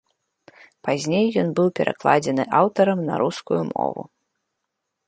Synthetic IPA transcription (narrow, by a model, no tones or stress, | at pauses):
pazʲnʲejːɔnbɨwpʲɛɾʔaklˠad͡zʲɛnɨʔawt̪ɐɾɐmnɐ̰ɾuskujumɔ̰vṵ